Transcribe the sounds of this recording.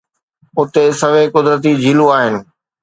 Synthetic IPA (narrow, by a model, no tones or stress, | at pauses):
ʊt̪esɐʋekʊd̪ɾət̪̬id͡ʑʱiːluaːɦɪnɪ̆